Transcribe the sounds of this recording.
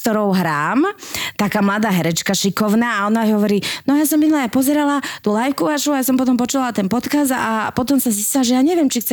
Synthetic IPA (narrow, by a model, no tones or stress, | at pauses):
t̪ɔɾɔʊɦɾaːmt̪akaːmlad̪aːɦɛɾɛt͡ʃkaʃikɔʊnaːaɔnaɦɔʋɔɾiːnɔajaːsɔmːinlaapɔzɛɾalat̪ulajfkuaʃuajasɔmpɔt̪ɔmpɔt͡ʃulalat̪ɛnpɔt̪kazd̪a̰pɔt̪ɔmsazist͡ɕilaʒɛjaːɲɛʋɪjɛmt͡ʃixt͡sɛ